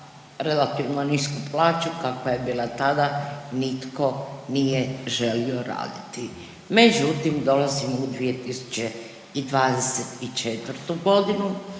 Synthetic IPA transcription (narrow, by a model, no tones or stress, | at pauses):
ɾelat̪iʋnoniskuplaːt͡ʃukakoje̞biːlˠat̪ad̪anit̪ko̞nijeʒe̞lioɾa̰ːd̪it̪i | med͡ʑut̪imd̪o̞lazimud̪ʋijet̪isu̥t͡ɕe | id̪ʋaːd̪eset̪it͡ʃet̪ʋrt̪uɡo̞d̪inu